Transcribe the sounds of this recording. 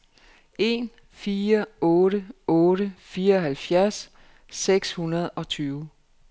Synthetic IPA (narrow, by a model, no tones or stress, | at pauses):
e̝n | fiːɐɔ̽ːɾəɔ̽ːɾəfiːɐɒ̽ɦælfjæɐsː | eɡ̥shunɐð̞̩ˠɒ̽t͡sʰyːʊ